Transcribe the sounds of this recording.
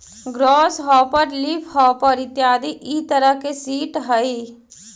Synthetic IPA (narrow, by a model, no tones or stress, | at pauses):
ɡɾɔːsɦɔːpəɾlipʰhɔːpəɾɪt̪jaːd̪iʔit̪əɾəkesiːʈɦəi